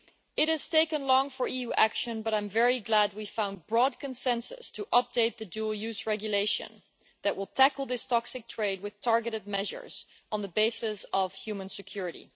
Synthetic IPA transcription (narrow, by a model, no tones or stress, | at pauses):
ɨt̚hɨz̥tʰeɪkə̃nlɔ̃ŋfə˞ijuʔækʃɨ̃nbʌɾãɪ̃mɱvɛɹiɡlæd̚wifãʊ̃n̚bɹɔd̚kʰɨ̃nsɛ̃nsɨ̰stʰəʔʌp̚d̥eɪt̪̚ðɨdulˠjʉzɹɛɡjɨleɪʃɨ̰̃n | ðɨʔ̚wɪlˠtʰækl̩ˠðɪstʰɑksɨk̚tʰɹ̥eɪd̚wɨð̥tʰɑɹɡɨɾɨd̚mɛʒə̰˞z̥̃ | n̩ðəbeɪsɨsʌv̥hjʉmə̃nsɨkʰj̥ʊɹɨɾḭ